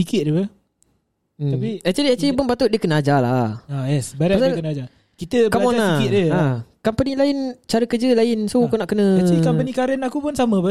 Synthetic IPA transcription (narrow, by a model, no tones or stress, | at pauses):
sikɪt̪̚dəə | apiɛt͡ʃuliɛt͡ʃibʊnbat̪ʊʔ̚diəkənəad͡ʒalaajɛsbaɾaasakənəad͡ʒa | kit̪əkamonaɪt̪̚dəakampənilaɪnt͡ʃaɾəkəd͡ʒəlaɪnsokunaʔkənə̃əkampənikaɾənakupʊnsamə̃pə